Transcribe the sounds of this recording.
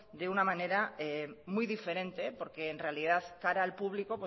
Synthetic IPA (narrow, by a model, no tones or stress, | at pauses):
d̪eunamãne̞ɾaemujðife̞ɾẽ̞nt̪e̞po̞ɾke̞ːnrealiðaθkaɾaːlpuβlikopwo